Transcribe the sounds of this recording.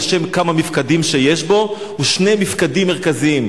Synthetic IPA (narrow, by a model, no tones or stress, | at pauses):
ʃemkamamifkadimʃejeʃbo̞ | uʃne̞jmifkadimːeʁ̞kaziim